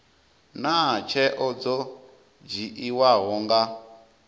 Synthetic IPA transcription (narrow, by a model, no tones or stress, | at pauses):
nat͡ʃʰɛʔɔd͡zɔ | d͡ʒiʔiwaɦɔŋɡa